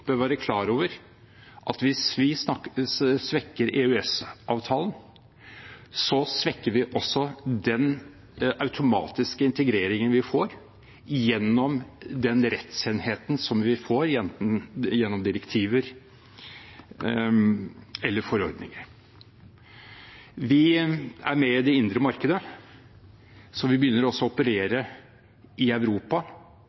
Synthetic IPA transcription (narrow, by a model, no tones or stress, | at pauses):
b̥øːʋæːɾəkʰlɑːɾoːʋəɾ | ʔɑt̪ʋɪsʋɪ | sʋɛkːəɾʔeːʉɛsʔɑːʋt̪ʰɑːlən | sɔsʋɛkːəɾʋɪʔɔsːɔd̪ɛn | ʔɑʉt̪ʰʊmɑ̰ːt̪ɪskəɪnt̪əɡɾeːɾɪŋənʋɪfoːɾ | jɛnːɔmd̪ɛnɾɛt̪seːnheːt̪n̩sɔmʋɪfoːɾjɛnt̪n̩jɛnːɔmd̪ɪɾəkt̪ʰiːʋəɾ | ɛlːəɾfɔɾɔ̰ɾd̪nɪ̰ŋəɾ | ʋɪæ̰ɾmɛɪd̪ɛɪnd̪ɾəmɑɾkəd̪ə | sɔʋɪbjʏnːəɾɔɔsːɔʊpəɾeːɾə | ʔɪɑʉɾuːpɑ